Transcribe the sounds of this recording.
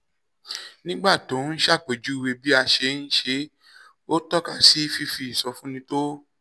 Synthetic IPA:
nĩ˦ɡ͡ba˦˨to˨˦n̩˦ʃa˦˨k͡pe˨d͡ʒu˨˦i˧we˧bi˦a˧ʃe˧n̩˦ʃe˧˦ | o˦tɔ˦ka˦˨si˦fi˧fi˧˦i˨sɔ˧fũ˦nĩ˧˦to˦

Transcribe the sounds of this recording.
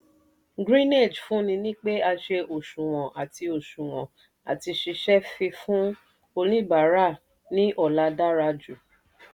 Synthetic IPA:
ɡɾĩ˦ne˦˨d͡ʒfũ˦nĩ˧nĩ˦k͡pe˦a˧ʃe˧ʔo˨ʃũ˨w̃ɔ̃˨ʔa˨ti˧o˨ʃũ˨w̃ɔ̰̃˨ | a̰˨ti˧ʃi˧ʃɛ˦fĩ˧fũ˦ | o˧lĩ˦ba˨˦ɾa˦˨ | nĩ˦ʔɔ˦˨la˨˧da˦ɾa˧d͡ʒu˨

